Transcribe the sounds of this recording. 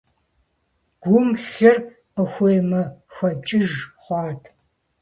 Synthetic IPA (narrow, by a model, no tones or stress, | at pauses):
ɡ̥ʷʊmɬɐr | qəxʷeːmɐxʷɐt͡ʃʼɪʒχʷɑːtʰ